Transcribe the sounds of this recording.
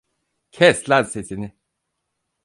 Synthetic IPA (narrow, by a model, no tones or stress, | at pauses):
cʰɛslʲæɾsesinɪ